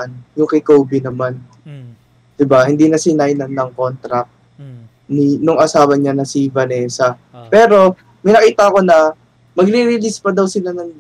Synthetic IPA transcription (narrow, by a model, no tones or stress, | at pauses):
njʊŋkɪkoːbɪnɐman | d̪̥ɪbahɪnd̪iːnɐsɪnajnɐnnɐŋko̞nt̪ɾɐk̚ | ninʊŋʔɐsaːwɐɲanɐsɪvɐnɛsɐ | pɛːɾo̞ | mɐjnɐkiːt̪ɐɐko̞nɐ | mɐɡɾiɾɪlispɐd̪ɐwsɪlanɐŋ